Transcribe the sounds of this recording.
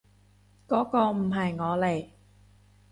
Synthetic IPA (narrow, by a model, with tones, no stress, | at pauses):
kɔː˨˥kɔː˧m̩˨˩ɦɐ˨jŋɔː˨˧le˨˩j